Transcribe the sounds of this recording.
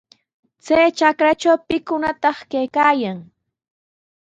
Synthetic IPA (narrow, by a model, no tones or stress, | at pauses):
t͡sajt͡ʃakɾat͡ʃawpɪkʊnat̪ɑχkajkaːjaŋ